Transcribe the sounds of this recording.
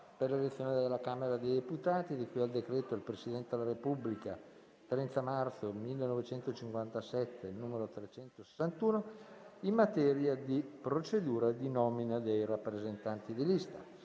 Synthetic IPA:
perlelet̪sːjoːned̪elːakaːmeɾad̪ejd̪eput̪aːt̪id̪ikujald̪ekɾɛːt̪oilpɾesid̪ɛnt̪ed̪elːaɾepubːlika̰ | t̪ɾɛnt̪amart̪somilːenɔvet͡ʃɛnt̪ot͡ʃiŋkwant̪asɛt̪ːenuːmeɾot̪ɾet͡ʃɛnt̪ose̥sːant̪uːnoimːat̪ɛːɾjad̪ipɾot͡ʃed̪uːɾad̪inɔminad̪ejrapːɾezent̪ant̪id̪ilist̪a̰

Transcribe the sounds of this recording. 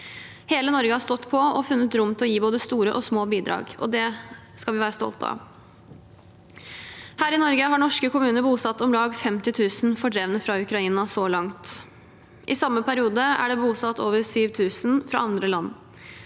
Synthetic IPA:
heːlənɔɾɡəhɑst̪ɔt̪ːpʰɔɔfʉnːət̪ɾʊmt̪ʰɛlɔjiːboːd̪əst̪uːɾəʔɔsmoːbiːd̪ɾɑ̰ːɡɔ̰d̪ɛ | skɑlʋɪʋæːɾəst̪ɔ̰lt̪ʰɑ̰ | hæːɾɪnɔɾɡəɦɑɳɔʂkəkʊmʉːnəɾbuːsɑt̪ːɔmlɑːɡfɛmt̪ɪt̪ʰʉːsnfɔɖɾɛʋnəfɾɑʉkɾɑiːnɑsɔlɑŋt̪ | ʔɪsɑmːəpʰæɾɪuːd̪əæ̰ɖɛbuːsɑt̪ʰːoːʋəɾsyːʋt̪ʰʉːsn̩fɾɑ̰ɑnd̪ɾəlɑnː

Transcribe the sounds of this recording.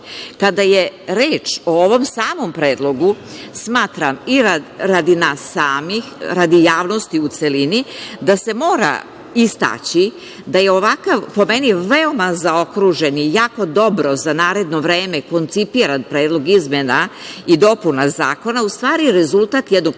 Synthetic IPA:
kad̪ajeɾeːt͡ʃo̞oʋo̞msaːmo̞mpɾe̞ːd̪lˠo̞ɡusmaːt̪ɾamiɾaɾad̪inasːaːmixɾad̪ijaːʋno̞st̪iut̪selinid̪ase̞mo̞ːɾa̰ | ist̪a̰t͡ɕi | d̪aje̞o̞ʋakaʋpo̞meniʋeo̞mazao̞kɾuʒe̞nijaːko̞d̪o̞bɾo̞zanaːɾe̞d̪no̞ʋɾe̞ːmeko̞nt̪sipiɾanpɾeːd̪lˠo̞ɡizmenaid̪o̞punazaːko̞naust̪ʋaːɾiɾezulˠt̪at̪jed̪noɡ

